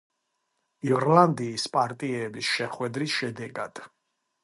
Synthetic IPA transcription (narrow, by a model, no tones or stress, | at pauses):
iɾland̪iːspʼaɾt̪ʼiɛbisʃɛχwɛd̪ɾisʃɛd̪ɛɡad̪̥